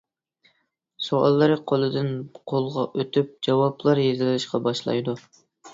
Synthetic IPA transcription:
soɑ̰lˠːɨɾɨqʰolˠɨd̪ɨnqʰolˠʁɑʔøt̪ʰyp̚d͡ʒɑwɑplˠɑɾjezɪlɪlɪʃqɑbɑʃlˠɑ̰jd̪u

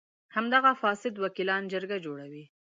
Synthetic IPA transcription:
hamd̪aɣafɑsɪd̪wakilɑnd͡ʒəɾɡad͡ʒoɽawi

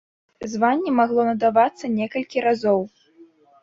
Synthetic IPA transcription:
zvanʲːɛmaɣlˠɔnɐd̪avat̪sːɐnʲɛkɐlʲkʲiɾazɔw

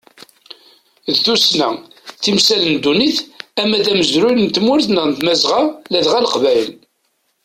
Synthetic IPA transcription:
ðθusnæθimsælənd̪uniθæmæðæməzɾulnt̪mʊɾθnænt̪mæzʁɑlæðʁæləqvæjl

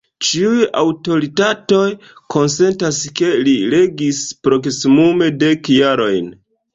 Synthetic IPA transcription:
t͡ʃiuja̰wto̞ɾitato̞j | kʰo̞nse̞ntaske̞liɾe̞ɡispɾo̞ksimume̞de̞kjaɾo̞jn

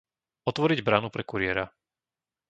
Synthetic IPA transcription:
ɔt̪ʋɔɾiɟbɾanupɾɛkuɾɪɛɾa

